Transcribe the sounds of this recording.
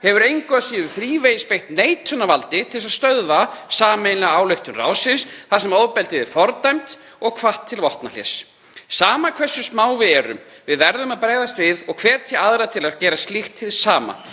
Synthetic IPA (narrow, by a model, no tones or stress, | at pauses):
hɛvʏɾejŋkɔasɪːðʏθɾiːvejspejht̪neːjt̪ʰœnːavalt̪ɪt̪ʰɪlsaðst̪œðvasaːmejnlɛɣaaːwlejht̪ʏnra̰ːwsɪsθasɛmowðpɛlt̪ɪðɛɾ̥fɔɾt̪ajmt̪ | ɔɣkʰvaht̪ʰːɪlvɔht̪nalɛ̰s | saːmakʰvɛ̥sʏsmaːwvɪɛɾʏ̰m | vɪðvɛɾðʏmaðpɾeːjðast̪vɪðɔɣkʰvɛɾt̪ʰɪaðɾat̪ʰɪlaðcɛːɾast̪lixt̪ʰːɪðsaːma̰